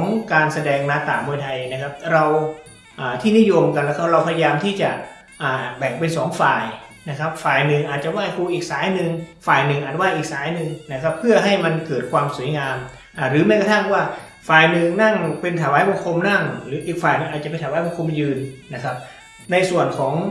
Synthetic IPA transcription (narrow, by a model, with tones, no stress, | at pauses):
ɔ˨˦ŋkaː˧nsa˧dɛː˧ŋmaː˧t̪aː˨˩mːu˧jt̪ʰa˧jna˦˥kʰa˦˥p̚ɾa˧w | ʔaː˨˩t̪ʰiː˥˩ni˦˥˨jo˧mka˧nlɛː˦˥˧kʰa˦˥˩p̚ɾa˧wpʰa˧ja˧jaː˧mt̪ʰiː˥˩t͡ɕa˨˩ | ʔaː˨˩bɛː˨˩k̚pe˧nsɔː˩˦ŋfaː˨˩j | na˦˥kʰa˦˥p̚faː˨˩jnɯ˨˩ŋʔaː˨˩t̪̚t͡ɕa˨˩waː˥˩jku˧ʔiː˨˩k̚saː˩˦jnɯ˨ŋfaː˨˩jnɯ˨ŋʔaː˨˩t̪̚waː˥˩jʔiː˨˩k̚saː˨˩˦jnɯ˨˧ŋna˦˥kʰa˦˥pʰːɯ˥˩ɐɦa˥˩jma˧nkɤː˨˩t̪̚kʰwaː˧msu˨˩˦jŋaː˧m | ʔaː˧˩ɾɯː˩˦mɛː˧˥˩ka˧t̪ʰa˥˩ŋwaː˥˩ | faː˨˩jnɯ˨ŋna˥˩ŋpe˧nt̪ʰaː˨˩˦waː˨˦˥jbo˧ŋkʰo˧mna˥˩ŋɾɯː˩˦ʔiː˨˩k̚faː˨˩jnɯ˨˩ŋaː˨˩t̪̚a˨pe˧nt̪ʰa˨˦waː˦˥jbo˧ŋkʰo˧mjɯː˧nːa˦˥kʰa˦˥p̚ | na˧jsu˨˩ənkʰɔː˩˦ŋ